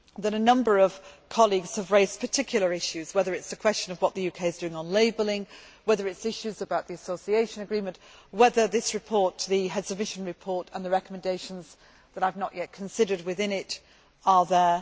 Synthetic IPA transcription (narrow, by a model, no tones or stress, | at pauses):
ðɨɾənʌ̃mbə˞ʌv̥kʰɑlˠiɡz̥əvɹeɪzpʰətʰɪkʰjl̩ˠə˞ɪʃʉzwɛðə˞ɨtsəkʰw̥ɛst͡ʃə̃nʌvwɒʔ̪̚ðɨjʉkʰeɪɨzdʉɪ̃ŋə̃nleɪbl̩ˠɪ̃ŋwɛðə˞ɨtsɪʃʉzəbaʊʔ̪ðiɨsoʊsieɪʃə̃nəɡɹĩːmə̃nʔwɛðə˞ðɪsɹɨpʰɔɹtʰəðɨɦɛzəd̚mɪʃə̃nɹɨpʰɔɹtə̃nðəɹɛkəmə̃ndeɪʃə̃nz | ðəɾaɪvnəʔjʔɛt̚kʰə̃n̩sɪɾə˞d̚wɪðɪ̃nɪt | əðə˞